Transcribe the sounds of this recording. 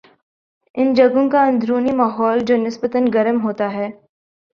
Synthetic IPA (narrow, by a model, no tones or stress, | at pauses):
ɪnd͡ʒɐɡõkaɐ̃nd̪ʱɾuːnimaːɦɔːld͡ʒoːnɪsbət̪ənɡɐɾəmɦoːt̪aɦɛː